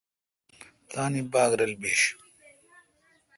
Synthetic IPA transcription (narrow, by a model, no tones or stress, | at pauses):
t̪aːnibaːɡɾɐlbeːɕ